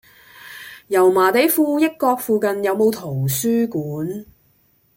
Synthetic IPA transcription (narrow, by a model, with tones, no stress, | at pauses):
jɐ˨˩wmaː˨˩t̪e˨˥jfuː˧jɪ˥kːɔː˧k̚fuː˨˧kɐ˨njɐ˨˧wmo˨˧wt̪ʰo˨˩wsyː˥kuː˨˥n